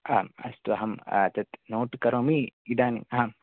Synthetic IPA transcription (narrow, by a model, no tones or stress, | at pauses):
ɐɐmɐ̰st̪uɐɦɐm̰t̪ɐt̪noːʈkɐɾoːmiid̪aːnḭŋɐɦɐm